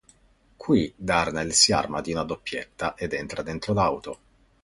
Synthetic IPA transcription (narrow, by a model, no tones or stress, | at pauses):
kʰwid̪arnalsja̰rmad̪iunad̪opːjet̪ːaʔed̪ɛnt̪ɾad̪ent̪ɾolawt̪o